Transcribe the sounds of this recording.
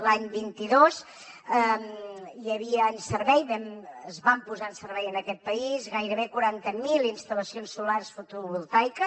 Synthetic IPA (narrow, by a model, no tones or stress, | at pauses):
laɲbint̪iðos | əmʎəβiəːnsərβɛjβɛməzβampuzansərβɛjənəkɛt̪̚pəizɣajɾəβekuɾant̪əmilˠinst̪ələsionsːularsfut̪uβulˠt̪ajkə